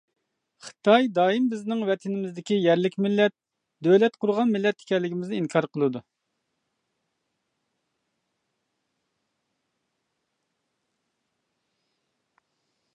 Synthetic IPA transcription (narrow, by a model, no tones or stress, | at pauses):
χə̥t̪ʰɑjd̪ɑːimbɪznɪŋwɛt̪ʰɪnɪmɪzd̪ɪkʲijɛɾlɪkʲmɪlːɛt̪̚ | d̪ølɛt̪qʰʊɾʁɑnmɪlːɛt̪ːɪ̥kʲɛlːɪɡʲimɪznɪiŋkʰɑɾqʰəlˠɨd̪u